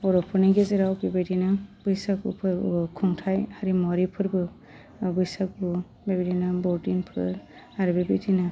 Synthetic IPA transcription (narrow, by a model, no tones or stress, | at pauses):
ɔɾɔpʰɯniɡezeɾawbebedinab̥ɯjsakṵpʰɯkʰuŋtʰajhaɾimɔɾipʰɯɾbɯ | bɯjsak̚u | bebidinabɔʈinpʰɯ̰ɾ | aɾɯbebitʰina